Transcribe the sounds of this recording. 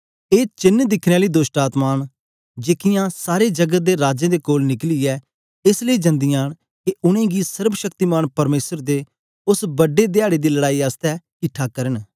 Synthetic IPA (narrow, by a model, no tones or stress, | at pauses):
eːt͡ʃɪnd̪ɪkʰneaːliːd̪oːsʈaːt̪maːn | d͡ʒeːkɪjãːsaːɾed͡ʒəɡət̪̚d̪eːɾaːd͡ʒẽd̪eːkoːlnɪkliːɛː | ɪsləiːd͡ʒɐ̃nd̪ɪjaːñ | keʊɽ̃ẽːɡisəɾbʃəkt̪iːmaːnpɐɾmeːsəɾd̪eː | ʊsbəɖːeːd̪ɪaːɽeːd̪iːləɽaːiːast̪ɛː | ɪʈʰaːkɐɾən